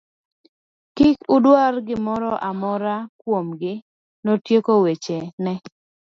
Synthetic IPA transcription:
kɪkʊdwarɡɪmɔɾɔʔamɔɾakwomɡɪ | notjekowet͡ʃenɛ

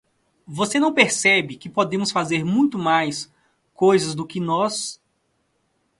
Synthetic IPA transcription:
vosenɐ̃w̃peɾsɛbɪkɪpod̪ẽmʊsfazeɾmũj̃t̪ʊmajs | kojzɐzd̪ʊkɪnɔs

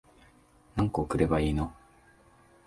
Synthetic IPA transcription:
nãŋkoːkɯ̟ɾe̞baiːno

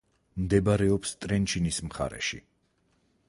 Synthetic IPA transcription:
md̪ɛbaɾɛɔpst̪ʼɾɛnt͡ʃʰinismχa̰ɾɛ̰ʃḭ

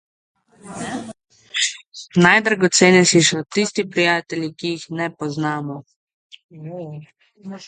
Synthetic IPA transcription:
najd̪ɾaɡɔt̪seːnɛsisɔt̪ist̪ipɾijaːt̪ɛlʲikijixnɛpɔznaːmɔ

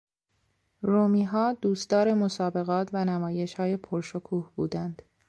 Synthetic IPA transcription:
ɾoːmiːɦɒːd̪uːst̪ɒːɾe̞mo̞sɒːbe̞ɣɒːt̪ʰvænæmɒːje̞ʃhɒːje̞pʰoɾʃokʰuːhbuːd̪ænd̪̥

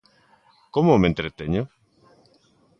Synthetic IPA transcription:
komomẽnt̪ɾet̪eɲʊ

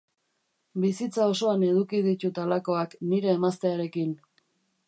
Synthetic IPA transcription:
bisit͡sao̞so̞ane̞ðukið̞it̪ut̪alako̞akniɾe̞ːmast̪e̞aɾe̞kin

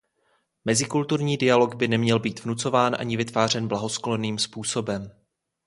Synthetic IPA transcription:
mɛzɪkult̪uɾɲiːdɪjalo̞ɡbɪnɛmɲɛlbiːt̪vnut͡so̞vaːnʔa̰ɲɪvɪt̪vaːr̝ɛnblaɦo̞sklo̞niːmspuːso̞bɛm

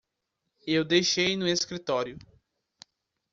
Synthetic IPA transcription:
ewd̪ejʃejnʊeskɾit̪ɔɾjʊ

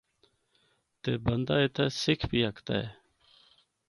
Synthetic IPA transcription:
t̪eːbənd̪aːet̪ʰɛːsɪkʰbiːəkt̪a̰ːɦɛː

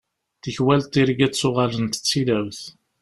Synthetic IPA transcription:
θəçwælt̪iɾɡæt͡sːʊʁɑlənt̪ə̥t͡sːilævθ

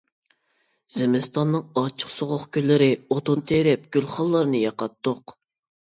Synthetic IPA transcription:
z̥ɪmɪst̪ʰɑnːɨŋɑt͡ʃʰːə̥qsoʁoχkʲʰølːɪɾɪot̪ont̪ʰeɾɪp̚ɡ̥ʲylχɑlˠːɑɾnɨjɑqɑt̪ːoq

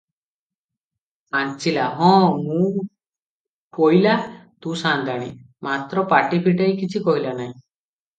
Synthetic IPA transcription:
ant͡ʃilaɦɔ̃ːmũ | kɔɦilat̪ũsand̪ʱaɽ̃ḭ | mat̪ɾɔpaʈipʰiʈajkit͡ʃʰikɔɦilanaɦĩ

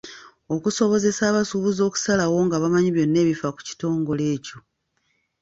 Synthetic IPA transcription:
o̞kuso̞βo̞ze̞saːβasuβuzo̞ːku̥salawo̞ŋɡaβamaɲiβjo̞nːe̞ːβifaku̥ci̥to̞ːŋɡo̞le̞ːco̞

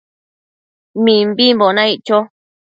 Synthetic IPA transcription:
mĩmbimbonãiʔt͡ʃo

